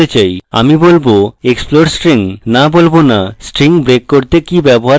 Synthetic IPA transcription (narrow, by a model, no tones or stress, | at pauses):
et͡ɕaja̰mibolboeksploɾsʈɾiŋnabolbonasʈɾiŋbɾekːoɾt̪ekibɛboɦa